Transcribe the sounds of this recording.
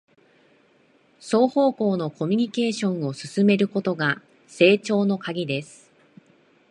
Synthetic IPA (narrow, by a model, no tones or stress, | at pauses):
so̞ːho̞ːko̞ːno̞ko̞mʲiɲ̟ike̞ːɕõ̞ɰ̃o̞sɨ̥sɨme̞ɾɯ̟ko̞t̪o̞ɡa | se̞ːt͡ɕo̞ːno̞kaɡʲid̪e̞sɨ̥